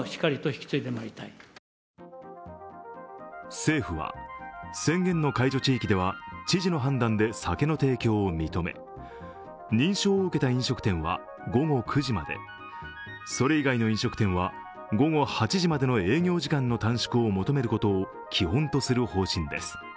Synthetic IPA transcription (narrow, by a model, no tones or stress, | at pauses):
çi̥kaɾʲit̪o̞çi̥kʲi̥t͡sɨid̪e̞maɾʲit̪ai | se̞ːɸɯ̟βa̰sẽ̞ŋɡẽ̞nːo̞kaiʑo̞t͡ɕiːkʲid̪e̞βat͡ɕiʑino̞ɦãnd̪ãnd̪e̞sake̞no̞t̪e̞ːkʲo̞ːmʲit̪o̞me̞̰ | ɲĩɰ̃ɕo̞ːɯ̟ke̞t̪aĩɰ̃ɕo̞kɯ̟t̪ẽ̞ɰ̃βa̰ | ɡo̞ɡo̞kʰɯ̟ʑimad̪e̞̰ | so̞ɾe̞iɡaino̞ĩɰ̃ɕo̞kɯ̟̥t̪ẽ̞ɰ̃βa | ɡo̞ɡo̞hat͡ɕiʑimad̪e̞no̞e̞ːɡʲjo̞ːʑikãnːo̞t̪ãɰ̃ɕi̥kɯomo̞t̪o̞me̞ɾɯ̟ko̞t̪o̞ː | kʲʰiɦõ̞nt̪o̞sɨɾɯ̟ho̞ːɕĩnd̪e̞̰sɨ̥